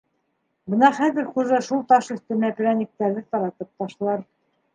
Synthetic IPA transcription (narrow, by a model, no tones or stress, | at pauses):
bɤnɑχæðɘ̆ɾχuʒɑʃulˠt̪ɑʃɵ̆θt̪ɘnæpɘ̆ɾænʲĭk̚t̪æɾðɘt̪ɑɾɑt̪ɤp̚t̪ɑʃlˠɑɾ